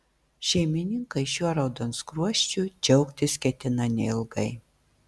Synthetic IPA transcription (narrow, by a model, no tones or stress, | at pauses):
ʃʲɛɪmʲɪnʲɪŋkɐɪʃʲuɔɾɐʊd̪onskɾuɔʃʲt͡ʃʲud͡ʒʲɛʊkt̪ʲɪskʲɛt̪ʲɪnɐnʲɛ̰ɪlˠɡɐɪ